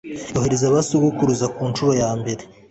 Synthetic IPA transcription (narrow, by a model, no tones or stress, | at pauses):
oheɾezaβasuɡukuɾuzakuːnt͡ʃuɾo̞jaːmbe̞ɾe